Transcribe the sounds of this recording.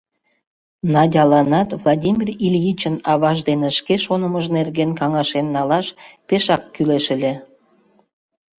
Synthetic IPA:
nɑdʲɑlɑnɑt̪vlˠɑdʲimʲirilʲjit͡ɕənɑβɑʒd̪eneʃkeʃonəməʒnerɣenkɑŋɑʃenːɑlɑʃpeʃɑkːyleʃə̆lʲe

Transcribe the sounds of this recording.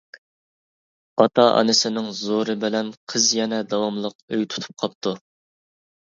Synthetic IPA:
ɑt̪ʰɑʔɑ̰nɨsɪnɪŋzoɾɨbɪlɛnqʰəzjɛnɛd̪ɑwɑmlˠəqøjt̪ʰu̥t̪ʰu̥p̚qʰɑp̚t̪ʰu

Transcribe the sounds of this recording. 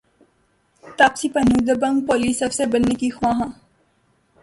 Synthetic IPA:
t̪apsipənud̪əbə̃ŋɡ̚poːliːsɐbsebənːekixʊãːɦã

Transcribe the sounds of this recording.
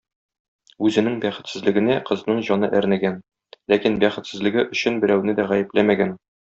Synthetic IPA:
ʉzɘ̆nɘŋbæχɘ̆t̪sɘ̆zlɘ̆ɡɘ̆næqɤ̆znɤɴʑɒnɤʔæɾnæɡæn | lækinbæχɘ̆t̪sɘ̆zlɘ̆ɡɘʔɵ̆ɕɘnbɘ̆ɾæwnɘd̪æʁæjɘ̆plæmæɡæn

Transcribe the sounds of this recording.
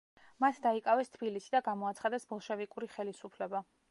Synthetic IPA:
mat̪ʰd̪aikʼavɛst̪ʰbilisid̪aɡamɔat̪sʰχad̪ɛsbɔlˠʃɛvikʼuɾiχɛlisupʰlɛba

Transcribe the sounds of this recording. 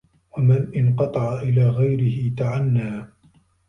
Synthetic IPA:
wamanʔɪnqɑt̪ˤɑʕaʔɪlaːɣajɾɪhɪt̪aʕanːaː

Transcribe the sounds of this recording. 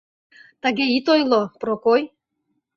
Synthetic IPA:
t̪aɣeit̪ojlopɾokoj

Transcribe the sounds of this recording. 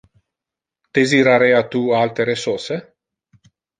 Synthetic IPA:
d̪̥eziɾaɾɛjat̪ualt̪eɾesorse

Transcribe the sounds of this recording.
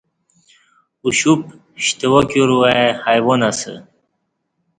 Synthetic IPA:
uɕup | ɕt̪ewokoɾuaehajwonasə̰

